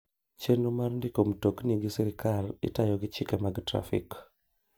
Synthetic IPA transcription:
t͡ʃenumarndikomtokniɡɪsɛɾɪkalɪ̰tajɔɡɪt͡ʃɪkɛmaɡtɾa̰fḭk

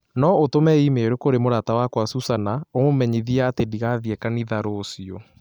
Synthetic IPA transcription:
nɔotomɛimeɾokoɾemoɾatawakwasusanaomomɛɲiðiaːtediɣaðjɛkaniðaɾosiɔ

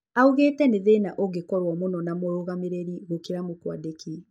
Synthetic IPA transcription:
auɣeːtɛneðenaʔoɣekɔɾwɔmonɔnamoɾoɣameɾeɾiɣokiɾamokwadeki

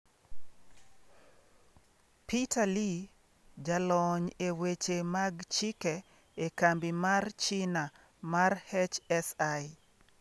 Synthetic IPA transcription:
pitali | d͡ʒalɔɲewet͡ʃemaɡt͡ʃikɛ | ekambimart͡ʃina | marhɛt͡ʃɛsai

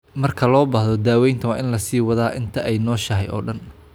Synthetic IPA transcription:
mɐrkʰɐlɔːbahðɔd̪aːwɛjnt̪ʰɐwɑːʔɪnlɐsiːwɐðaːʔɪnt̪ʰɐʔɛjnɔːʃɐɦɛjɔ̰ːɖɐn

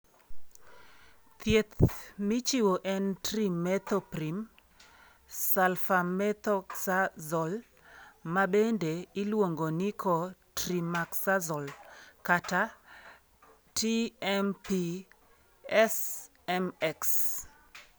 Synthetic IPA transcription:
t̪jet̪mɪt͡ʃiwoʔɛntrimɛt̪oprim | salfamɛt̪ɔksazɔl | mabendeɪlwoŋɡonikʰotrimaksazɔlkata | tiɛmpi | ɛs | ɛmɛks

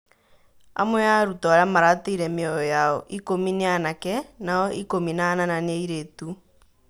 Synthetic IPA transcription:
a̰mwɛaɾutɔɾamaɾateiɾɛmeɔjɔjaɔʔikomineanakɛnaɔʔikominanananiɾetu

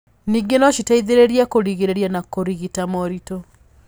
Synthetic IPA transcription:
niːɡenɔʃitaiðeɾeɾiakoɾiɣiɾeɾjanakoɾiɣitamɔɾitɔ

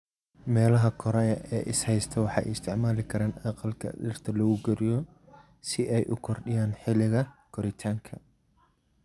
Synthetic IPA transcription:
mɛːlɐɦɐkʰɔɾɛjɐʔɛ̰ːʔɪshɛjst̪ʰɐwɑħɑ̰ːj̰ɪst̪ʰɪʕmaːlɪkʰɐɾaːnɑqɑlkʰɐ̰ɗɪrt̪ʰɐlɔɣʊɡɛɾɪjɔ | sɪʔɛjʔʊ̰kʰɔrɖɪjaːnħɪlɪɣɐkʰɔɾɪt̪ʰaːŋkʰɐ

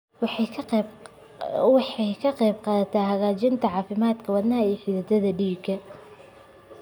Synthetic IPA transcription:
wħ | wħɛjkʰɐqɛjbqɑːðɐt̪ʰaːɦɐɣaːt͡ʃɪnt̪ʰɐʕɑːfɪmaːd̪kʰɐwɑðnɐɦɐiːħɪðɐd̪ɐðɐɖiːkʰːɐ

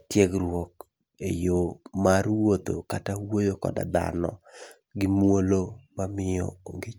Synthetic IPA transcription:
tjeɡrwɔk | ejomarwot̪o̰katawojokɔ̰da̰d̪a̰nɔ̰ | ɡɪmwolomamɪjɔ̰oŋɡɪ

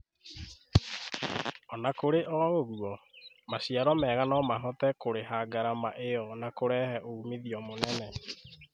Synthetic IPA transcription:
ɔnakoɾeʔɔɣoɣuɔ | masiaɾɔmɛɣanɔmaɦɔtɛkoɾeɦaɡaɾamaʔeɔnakoɾɛhɛʔoumeðiɔmonɛnɛ

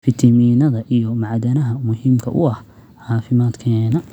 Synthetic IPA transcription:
fɪt̪ʰɐmiːnɐðɐʔijɔmɑʕd̪ɐnɐɦɐmʊhiːmkʰɐ̰ʔʊ̰ɐh | ʕaːfɪmaːd̪kʰɛːnɐ

